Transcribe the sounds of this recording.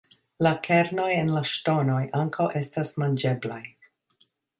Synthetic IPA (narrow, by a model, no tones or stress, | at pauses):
lakʰeɾno̞jenlaʃto̞no̞jʔaŋkʰawʔe̞stasmand͡ʒe̞blaj